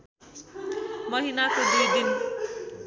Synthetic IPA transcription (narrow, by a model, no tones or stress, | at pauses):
mʌɦinakod̪ed̪in